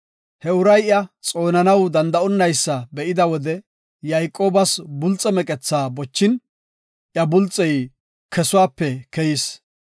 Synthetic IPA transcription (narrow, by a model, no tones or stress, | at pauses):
hɛʊɾɐjɪɐt͡sʼo̞ːnɐnɐwd̪ɐnd̪ɐɔnːɐjsːɐbɛʔɪd̪ɐwɔd̪ɛ | jajkʼːo̞ːbɐsbʊlt͡sʼːɛmɛkʼɛt͡sːaːbɔt͡ʃːɪn | ʔjɐbʊlt͡sʼːɛj | kʰɛsʊwaːpːɛkɛjɪs